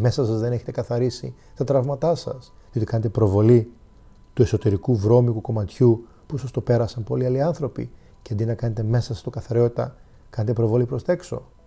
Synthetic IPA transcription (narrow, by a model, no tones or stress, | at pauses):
me̞sɐsɐzðe̞ne̞çet̪ekɐθɐɾisḭ | t̪ɐt̪ɾɐvmɐt̪ɐsɐ̰seo̞t̪ikɐne̞t̪e̞pɾo̞vo̞li | t̪ue̞so̞t̪e̞ɾikuvɾo̞mikuko̞mɐt̪çu | pusɐst̪o̞pe̞ɾɐsɐnpo̞liɐliɐnθɾo̞pḭ | ceɐnd̪inɐkɐne̞t̪e̞me̞sɐsɐ̥st̪okɐθɐɾeo̞t̪it̪ɐ | kɐne̞t̪e̞pɾo̞vo̞lipɾo̞st̪ɐe̞kso̞̰